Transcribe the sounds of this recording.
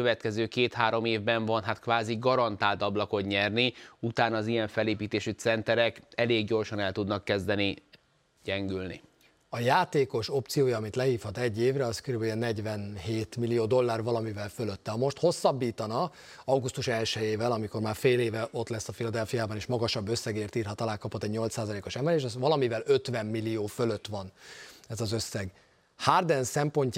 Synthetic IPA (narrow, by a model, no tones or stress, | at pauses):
øvɛt̪kɛzøːkeːt̪haːɾo̞meːvbɛɱvɒnɦat̪kʋaːziɡɒɾɒnt̪aːlt̪ɒblɒko̞d̪ɲɛrniut̪aːnɒːzijɛɱfɛleːpiːt̪eːʃyt̪sɛnt̪ɛɾɛkɛleːɡɟo̞rʃɒnɛlt̪ud̪nɒkːɛzd̪ɛni | ɟ̥ɛŋɡylnḭ | ɒjaːt̪eːko̞ʃo̞pt̪sijoːjɒɒmit̪lɛɦiːfhɒt̪ɛɟːeːvrɛɒskøɾybɛlɛnɛɟvɛnɦeːt̪milijoːd̪o̞lːaːrvɒlɒmivɛlføløt̪ːɛɒmo̞ʃt̪ho̞sːɒbːiːt̪ɒnɒ | ɒɡust̪uʃɛlʃɛjeːvɛlɒmiko̞rmaːrfeːleːvɛʔo̞t̪lɛsːɒfilɒd̪ɛlfijaːbɒneːʃmɒɡɒʃɒbːøsːɛɡeːrt̪iːrɦɒt̪ɒlaːkɒpot̪ːɛɟɲo̞lt̪saːzɒleːko̞ʃɛmbɛɾeːʃɛzʋɒlɒmivɛlø̞t̪vɛmːilːijoːføløt̪ːʋɒnɛzɒzø̞sːɛɡ | hard̪ɛnsɛmpo̞ɲc